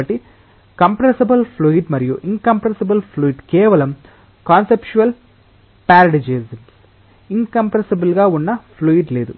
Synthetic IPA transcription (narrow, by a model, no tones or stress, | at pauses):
ɐʈːi | kɐmpɾɐsɐbɐlpʰluiʈmɐɾijuʔiŋkɐmpɾɐsɐbɐlpʰluiʈkɛːʋɐlɐm | kaːnsept͡ʃuɐl | paːɾɐɖid͡ʒeːsɐms | iŋkɐmpɾɐsibɐlɡaːunːɐpʰluiʈle̞ːd̪u